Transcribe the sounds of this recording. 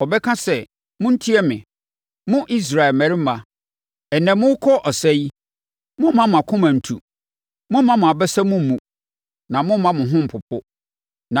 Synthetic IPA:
ɔ˨bɛ˦kʰã˦sɛ˦ | mʊ̃˦n̩˦tʰi˦ɛ˦mɪ̰̃˨ | mʊ̃˦ʔi˦s̬ɾa˨ɛ˨lmæ̃˨ɾi˦m̩˦mã˨ | ɛ˨nɛ̃˨mʊ̃˦wkʰɔ˦ʔɔ˨sɛ˦ji˦ | mʊ̃˦m˦mã˦mʊ̃˨a˨kʰʊ̃˦mã˨n̩˨tʰṵ˨ | mʊ̃˦mã˦mʊ̃˨a˨bɛ˦sɛ˦mʊ̃˦m˨mũ˨ | nã˨mʊ̃˦mã˦mʊ̃˨ɦʊ̃˦m̩˨pʰʊ˨pʰʊ˦ | nã˨

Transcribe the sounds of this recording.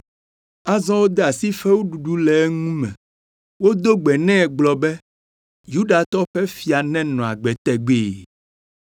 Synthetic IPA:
a˦zɔ̃˦wo˦d̪ɛ˦a˨si˦fɛ˦wo˦ɖu˨ɖu˦lɛ˨˦ŋũ˦mɛ̰̃˨ | wo˦d̪o˦ɡ͡bɛ˨nɛ̃˦ɛ˨ɡ͡blɔ˨bɛ˦ | ju˦ɖa˨t̪ɔ˦ɸɛ˦fi˨a˨nɛ̃˦nɔ̃˨a̰˨ɡ͡bɛ˨t̪ɛ˨ɡ͡be˦˨

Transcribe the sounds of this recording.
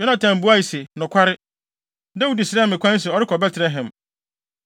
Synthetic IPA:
jɔ˦nã˨tʰã˨m˨bu˦a˦i˨se˨nʊ̃˨kʷʰa˦ɾɪ˦ | dɛ˦wu˨di˨sɪ˨ɾɛ˦mɪ̃˨kʷʰã˦n˦s̬ɛ˨ɔ˨ɾɪ˦kʰɔ˨bɛ˦tʰɾɛ˦ɦɛ̃˨m

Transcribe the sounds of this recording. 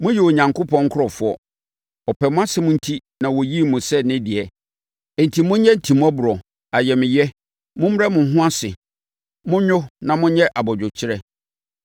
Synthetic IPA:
mʊ̃˦ji˨wo˨ɲã˨ŋkʰʊ˦pʰɔ̃˦ŋ˦kʰʊ˦ɾɔ˨fʊ˨˦ɔ˦ | ɔ˨pʰɛ˨mʊ̃˦a˦sɪ˦mʊ̃˦n̩˦tʰi˦ | nã˨wɔ˨ji˦mʊ̃˨sɛ˦nɪ̃˦dɪ˨ɛ˨ | n̩˨tʰi˨mʊ̃˦ɲɛ̃˦n̩˨tʰi˨m̃˦a˦bʊ˨ɾɔ˨ | a˨jɛ˨mɪ̃˨jɛ˦ | mʊ̃˦m˦ɾɛ˦mʊ̃˨˦ɦʊ̃˦a˦sɪ̰˨ | mʊ̃˦ɲᶣʊ˦nã˨mʊ̃˦ɲɛ˦ʔa˨bɔ˨d͡ʑᶣʊ˨t͡ɕʰɪ˦ɾɛ˦

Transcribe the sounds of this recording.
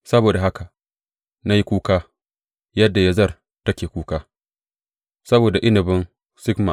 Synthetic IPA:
sɐ˦boː˨da˨ɦa˦ka˨ | na˦ji˦kʷuː˦kaː˦ | jɐ˦dːa˨ja˦zɐ˦˨r | tɐ˦kʲeː˨kʷuː˦kaː˦ | sɐ˦boː˨da˨ʔɪ˦nɪ˨bɪ˦n | sɪ˦kma̰˨

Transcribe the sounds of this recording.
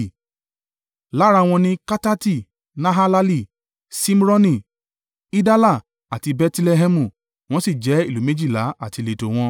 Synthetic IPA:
la˨˦ɾa˧w̃ɔ̃˧nĩ˧˦ka˦ta˦ti˦˨ | nã˦ɦa˦la˦li˦˨ | si˦m˦ɾɔ˦nĩ˦˨ | i˦da˦la˦˨ | a˨ti˧bɛ˧tlɛ˧ɦɛ˧mũ˨ | w̃ɔ̃˦si˦˨d͡ʒɛ˨˦i˦˨lu˨˦me˦d͡ʒi˦˨la˨˦a˦˨ti˧le˨to˨w̃ɔ̃˧

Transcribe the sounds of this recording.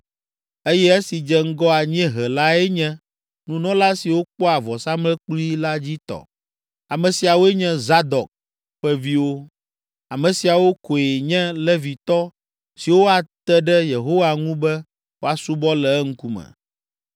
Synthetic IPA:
e˦jɛ˦e˦si˨d͡ʒɛ˦ŋ̩˦ɡɔ˦a˨ɲɛ̃˦ɦɛ˨la˦ɛ˦ɲɛ̃˦ | nũ˦nɔ̃˦la˦si˨wo˦k͡pɔ˦a˨vɔ˨sa˦mlɛ˦k͡pli˦la˦d͡ʑi˦t̪ɔ̰˨ | a˨mɛ̃˨si˨a˨wo˦ɛ˦ɲɛ̃˦za˦d̪ɔ˨k̚ | ɸɛ˦vi˦wo˦ | a˨mɛ̃˨si˨a˨wo˦ko˨e˨ɲɛ̃˦lɛ˦vi˨t̪ɔ˦ | si˨wo˦a˨t̪ɛ˦ɖɛ˦je˨ɦo˦wa˨ŋũ˦bɛ˦ | wo˦a˨su˦bɔ˦lɛ˨˦ŋ̩˦ku˦mɛ̰̃˨

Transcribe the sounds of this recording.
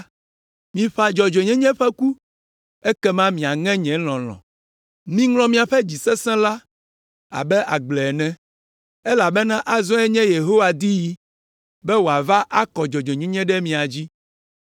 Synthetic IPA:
mĩ˨ɸa˨d͡ʒɔ˨d͡ʒɔ˨ɲɛ̃˦ɲɛ̃˦ɸɛ˦ku˦ | e˦kɛ˦mã˦mĩ˨a˨ŋɛ̃˦ɲɛ̃˨˦l̃ɔ̃˨lɔ̰̃˨ | mĩ˦ŋlɔ̃˦mĩ˦a˨ɸɛ˦d͡ʑi˨sɛ˦sɛ̃˦la˦ | a̰˨bɛ˦ʔa˨ɡ͡blɛ˨ɛ˨nɛ̃˦ | ɛ˦la˨bɛ˦nã˦ʔa˦zɔ̃˦ɛ˦ɲɛ̃˦je˨ɦo˦wa˨d̪i˦ji˦ | bɛ˦wo˨a˨va˦ʔa˦kɔ˨d͡ʒɔ˨d͡ʒɔ˨ɲɛ̃˦ɲɛ̃˦ɖɛ˦mĩ˨a˨d͡ʑi˦

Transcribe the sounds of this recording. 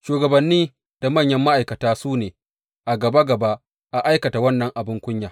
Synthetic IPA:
ʃuː˨ɡɐ˨bɐ˨nːiː˦ | d̥a˨mɐ˦˨ɲjɐ˦mːa˦ʔa˨jkɐ˨taː˦suː˦neː˨ | ʔa˨ɡɐ˨ba˦ɡɐ˨ba˦ʔ | ʔa˨ʔa˦jkɐ˨ta˨wɐ˦nːɐ˨ŋʔa˨bɪ˦ŋkʷʊ˦ɲjaː˨

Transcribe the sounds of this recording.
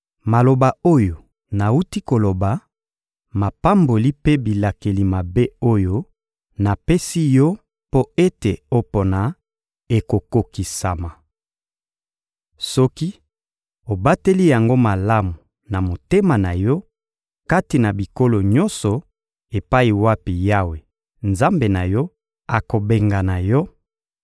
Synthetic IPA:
ma˨lo˨ba˨o˦jo˨ | na˨u˦ti˦ko˨lo˨ba˨ | ma˨pa˦mbo˨li˦pe˦bi˨la˨ke˨li˨ma˨be˦o˦jo˦ | na˨pe˦si˦jɔ˦ | po˦e˦te˨o˦po˨na˨ | e˨ko˨ko˨ki˨sa˨ma˨ | sɔ˦ki˦ | o˨ba˦te˦li˦ja˨ŋɡo˦ma˨la˦mu˨ | na˨mo˨te˦ma˨na˨jɔ˦ | ka˦ti˨na˨bi˨ko˦lo˨ɲɔ˦nsɔ˨ | e˨pa˦i˨wa˦pi˨ja˦we˨ | nza˦mbe˨na˨jɔ˦ | a˨ko˨be˨ŋɡa˨na˨jɔ˦

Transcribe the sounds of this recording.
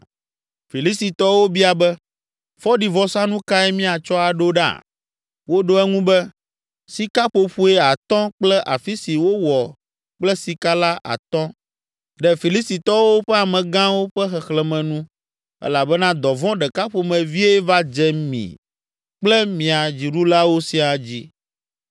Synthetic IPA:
fi˨li˦si˨t̪ɔ˦wo˦bi˦a˨bɛ˦ | fɔ˦ɖi˨vɔ˨sã˦nũ˦ka˦ɛ˦mĩ˦a˨t͡ʃɔ˦a˨ɖo˦ɖa̰˦˨ | wo˦ɖo˦ɛ˦ŋũ˦bɛ˦ | si˨ka˦ɸo˨ɸu˦e˦a˨t̪ɔ̃˦k͡plɛ˦ʔa˨fi˦si˨wo˦wɔ˨ | k͡plɛ˦si˨ka˦la˦ʔa̰˨t̪ɔ̃˦ | ɖɛ˨fi˨li˦sti˨t̪ɔ˦wo˦ɸɛ˦a˨mɛ̃˨ɡã˦wo˦ɸɛ˦xɛ˨xlɛ˨mɛ̃˨nũ˦ | ɛ̰˦la˨bɛ˦nã˦d̪ɔ˨vɔ̃˦ɖɛ˨ka˦ɸo˨mɛ̃˨vi˦e˦va˦d͡ʒɛ˦mḭ̃˨ | k͡plɛ˦mĩ˨a˨d͡ʑi˨ɖu˦la˦wo˦si˦a˨d͡ʑi˦

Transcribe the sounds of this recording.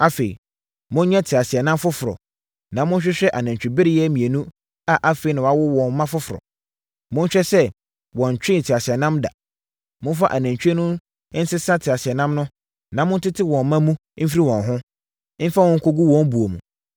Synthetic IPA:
a˦fe˨ḭ˨ | mʊ̃˦nɲɛ˦tʰɪ˨a˨si˨ɛ˨nã˦mfʊ˦fʊ˨ɾɔ̰˨ | nã˨mʊ̃˦n̩˦ɕᶣɛ˦ɕᶣɛ˦ʔa˨nã˨ɲt͡ɕᶣi˨bɪ˦ɾɪ˦jɛ˦mĩ˨e˨nũ˦ | a˨ʔa˦fe˨˦i˦nã˨a˦wʊ˦wɔ̃˨nmã˦fʊ˦fʊ˨ɾɔ̰˨ | mʊ̃˦n˦ɕᶣɛ˦sɛ˦ | wɔ̃˨n˨t͡ɕᶣɪ̃˦n˨tʰɪ˨a˨si˨ɛ˨nã˦mda̰˨ | mʊ̃˦n˦fa̰˦ʔa˨næ̃˨ɲt͡ɕᶣɛ˦nʊ̃˦ | n̩˦sɪ˦sã˦tʰɪ˨a˨si˨ɛ˨nã˦mnʊ̃˦ | nã˨mʊ̃˦n̩˦tɪ˦tʰɪ˦wɔ̃˨n˦mã˦mũ˦ | m̩˦f̬i˦i˦˨wɔ̃˨nɦʊ̃˦ | m̩˦fa˦wɔ̃˦ŋ̩˦kʰo˦ɡu˦wɔ̃˦m˦bu˨o˨mṵ̃˨

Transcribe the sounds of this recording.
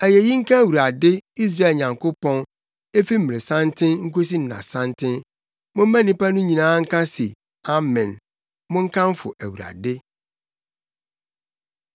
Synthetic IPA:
æ˨je˨ji˦ŋ̩˦kʰã˦˨wu˨ɾa˨dɪ˦i˦s̬ɾa˦e˨ɲã˨ŋkʊ˦pɔ̃˦n | e˦fi˦m̩˨mɪ̃˨e˨sã˦ntʰɪ̃˦nŋ̩˦ko˦s̬i˦n̩˨nã̰˨sã˦ntʰɪ̃˦n | mʊ̃˦m˦mæ̃˦nĩ˦pa˦nʊ̃˦ɲĩ˨nãː˦ŋ̩˦kã˦sḭ˨ | a˦mɛ̃˨n | mʊ̃˦ŋ̩˦kʰã˦m˦fʊ̰˨ʔæ˨wu˨ɾa̰˨dɪ˦

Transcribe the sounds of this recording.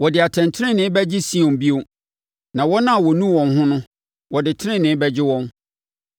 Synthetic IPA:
wɔ˨dɪ˨a˨tʰɛ̃˨ntʰɪ˦ɾɪ̃˦nɪ̃˦bɛ˦d͡ʑɪ˦si˦ɔ̃˨m˨bi˦o˨ | nã˨wɔ˦nã˦˨wɔ˨nũ˦wɔ̃˨nɦʊ̃˦nʊ̃˦ | wɔ˨dɪ˨tʰɪ˦ɪ̃˦˨nɪ̃˨˦bɛ˦d͡ʑɪ˦wɔ̃˦n

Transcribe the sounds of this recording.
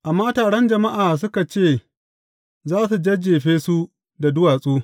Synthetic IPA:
ʔa˨mːaː˦taː˨ɽɐ˦nd͡ʒɐ˨ma˦ʔaː˨s̬ʊ˦ka˨t͡ʃeː˦˨ | zaː˦su˨d͡ʒɐ˦d͡ʒeː˨ɸeː˦su˦ | da˨dʊ˦waː˨sʼuː˦

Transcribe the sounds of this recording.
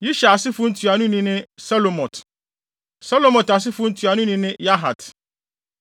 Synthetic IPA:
ji˦ʃa˨a˨sɪ˦fʊ˦n̩˦tʰɥa˨nʊ̃˦nĩ˦nɪ̃˦sa˦lo˨mɔ̃˨t | sa˦lo˨mɔ̃˨ta˨s̬ɪ˦fʊ˦n̩˦tʰɥa˨nʊ̃˦nĩ˦nɪ̃˦ja˦ɦa̰˨t

